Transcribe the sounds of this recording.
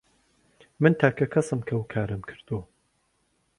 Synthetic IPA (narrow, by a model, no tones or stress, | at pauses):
mɨnt̪ʰaːkʰɐkʰɐsɨmkʰɐwukʰaːɾɨmkʰɨ̥ɾd̪̥uɐ